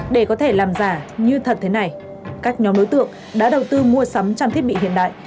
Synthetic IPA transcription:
ɗe˧˩kɔ˨˦t̪ʰe˧˩laː˨˩mzaː˨˧˩ɲɨ˧t̪ʰə˨˩t̚t̪ʰe˨˦na˨˩j | kaː˦˥k̚ɲɔ˨˦mɗo˨˦jt̪ɨ̰˧˨əŋ | ɗa̰ː˧˥ɗə˨˩wt̪ɨ˧mu˧əsa˨˦mt͡ɕɔ˧mt̪ʰi˦˥t̚ɓḭ˧˨ɦḭ˧˨ənɗa̰ː˧˨jʔ

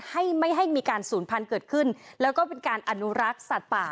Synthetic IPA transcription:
ha˥˩jma˥˩jɦa˥˩jmiː˧kaː˧nsuː˩˦npʰa˧nkɤː˨˩t̪̚kʰɯ˥˩nlɛː˦˥wkɔː˥˩pe˧nkaː˧nʔa˧nu˦˥ɾa˦˥k̚sa˨˩t̪̚paː˨˩

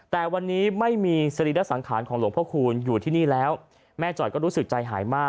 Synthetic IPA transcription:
t̪ɛː˨˩wa˧nːiː˦˥ma˥˩jmiː˧sa˧ɾi˨˩la˦˥sa˩˦ŋkʰaː˩˦nkʰɔː˩˦lu˨˩˦ŋpʰːkʰuː˧njuː˨˩t̪ʰiː˥˩niː˥˩lɛː˦˥w | mɛː˥˩t͡ɕɔː˨˩jkɔː˥˩ɾuː˦˥sɯ˨˩k̚t͡ɕa˧jɦa̰ː˩˦jmaː˥˩

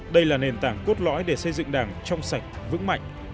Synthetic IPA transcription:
ɗə˧jlaː˨˩ne˨˩nt̪aː˧˩ŋko˦˥t̚lɔ̰˧˥jɗe˧˩sə˧jzɨ̰˧˨ŋɗaː˧˩ŋt͡ɕɔ˧wŋ͡msa˨˩jk̟̚vɨ̰˧˥ŋma̰˧˨jŋ̟

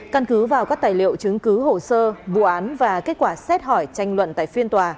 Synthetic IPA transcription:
kə˧nkɨ˨˦vaː˨˩wkaː˦˥k̚t̪aː˨˩jlḭ˧˨əwt͡ɕɨ˨˦ŋkɨ˨˦ho˨˩səː˧vṵ˧˨ʔaː˨˦nvaː˨˩ke˦˥t̚kwaː˧˩sɛ˦˥t̚hɔ˧˩jt͡ɕa˧jŋ̟lwə̰˧˨nt̪a̰ː˧˨jfi˧ənt̪waː˨˩

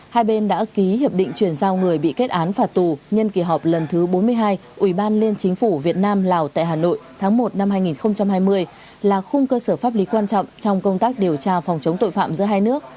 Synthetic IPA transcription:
haː˧jɓe˧nɗa̰ː˧˥ki˨˦hi˨˩əp̚ɗḭ̈˧˨ŋ̟t͡ɕwi˧˩ənzaː˧wŋɨ˨˩əjɓḭ˧˨ke˦˥t̚ʔaː˨˦nfaː˨˩t̚t̪u˨˩ɲə˧nki˧˩ɦɔ˨˩p̚lə˨˩nt̪ʰɨ˨˦ɓo˨˦nmɨ˧əjɦaː˧jʔwi˧˩ɓaː˧nli˧ənt͡ɕï˨˦ŋ̟fu˧˩vi˨˩ət̚naː˧mlaː˨˩wt̪a̰ː˧˨jɦaː˨˩no̰˧˨jt̪ʰaː˨˦ŋmo˨˩t̚na˧mhaː˧jŋi˨˩nxə˧wŋ͡mt͡ɕa˧mɦaː˧jmɨ˧əj | laː˨˩xʊ˧ŋ͡mkəː˧səː˧˩faː˦˥p̚li˨˦kwaː˧nt͡ɕɔ̰˧˨wŋ͡mt͡ɕɔ˧wŋ͡mkə˧wŋ͡mt̪aː˦˥k̚ɗi˨˩əwt͡ɕaː˧fɔ˨˩wŋ͡mt͡ɕə˨˦ŋ͡mt̪o̰˧˨jfa̰ː˧˨mzɨ̰˧˥jɦaː˧jnɨ˦˥ək̚

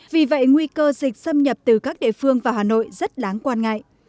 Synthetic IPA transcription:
vi˨˩və̰˧˨jŋwi˧kəː˧zï˨˩k̟̚sə˧mɲə˨˩p̚t̪ɨ˨˩kaː˦˥k̚ɗḛ˧˨fɨ˧əŋvaː˨˩haː˨˩no̰˧˨jzə˦˥t̚laː˨˦ŋkwaː˧nŋa̰˧˨jʔ

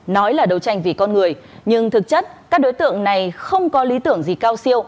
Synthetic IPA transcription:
nɔ˨˦jlaː˨˩ɗə˨˩wt͡ɕa˧jŋ̟vi˨˩kɔ˧nŋɨ˨˩əj | ɲɨ˧ŋt̪ʰɨ˨˩k̚t͡ɕə˦˥t̚kaː˦˥k̚ɗo˨˦jt̪ɨ̰˧˨əŋna˨˩jxə˧wŋ͡mkɔ˨˦li˨˦t̪ɨ̰˧˩əŋzi˨˩kaː˧wsi˧əw

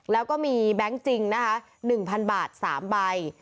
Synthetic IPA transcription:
lɛː˦˥wkɔː˥˩miː˧bɛ˦˥ŋt͡ɕi˧ŋna˦˥kʰa˦˥ | nɯ˨˩ŋpʰa˧nbaː˨˩t̪̚sa̰ː˩˦mba˧j

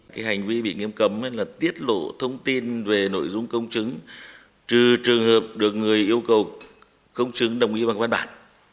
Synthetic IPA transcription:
kaː˨˦jha˨˩jŋ̟vi˧ɓḭ˧˨ŋi˧əmkə˨˦mhə˧laː˨˩t̪i˦˥ət̚lo̰˧˨t̪ʰə˧wŋ͡mt̪i˧nve˨˩no̰˧˥˨jzʊ˧ŋ͡mkə˧wŋ͡mt͡ɕɨ˨˦ŋ | t͡ɕɨ˨˩t͡ɕɨ˨˩əŋhəː˨˩p̚ɗɨ˨˩ək̚ŋɨ˨˩əjʔi˧əwkə˨˩w | kə˧wŋ͡mt͡ɕɨ˨˦ŋɗə˨˩wŋ͡mʔi˨˦va˨˩vaː˧nɓa̰ː˧˨n

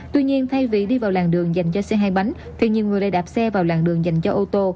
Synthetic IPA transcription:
t̪wi˧ɲi˧ənt̪ʰa˧jvḭ˧˨ɗi˧vaː˨˩wlaː˨˩ŋɗɨ˨˩əŋza˨˩jŋ̟t͡ɕɔ˧sɛ˧ɦaː˧jɓa˨˦jŋ | t̪ʰi˨˩ɲi˨əŋɨ˨˩əjɗə˧jɗaː˨˩p̚sɛ˧vaː˨˩wlaː˨˩ŋɗɨ˨˩əŋza˨˩jŋ̟t͡ɕɔ˧ʔo˧t̪o˧

